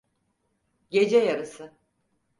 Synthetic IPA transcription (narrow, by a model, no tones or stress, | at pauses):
ɟe̞d͡ʒɛjaɾɯsɯ